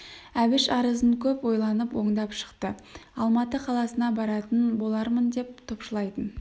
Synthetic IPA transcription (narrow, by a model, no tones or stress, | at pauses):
æbɪʃɑɾəzəɴkʲʰɵpwo̞jlˠɑnəpwo̞ɴd̪ɑpʃə̥qt̪əɑlˠmɑt̪əqʰɑlˠɑsənɑbɑɾɑt̪ənbo̞lˠɑɾmənd̪e̞p̚t̪ʰopʃəlˠɑjt̪ən